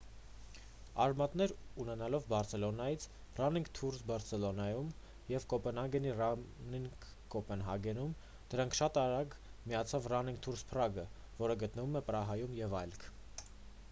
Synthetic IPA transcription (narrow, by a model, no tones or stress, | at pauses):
ɑɾmɑt̪nɛɾunɛnɑlɔvbɑɾsʰɛlɔnɑjit͡sʰ | rɑniŋɡt̪ʰuɾsbɑɾt͡sʰɛlɔnɑjum | jɛvkɔpɛnɑŋɡɛnirɑniŋk | kɔpɛnɦɑɡɛnum | d̪̥əɾɑŋkʰʃɑt̪ɑɾɑɡmijɑt͡sʰɑvrɑniŋk̚t̪ʰuɾspʰrɑɡə | vɔɾəɡət̪nəvumɛpɾɑɦɑjumjɛvɑjlkʰ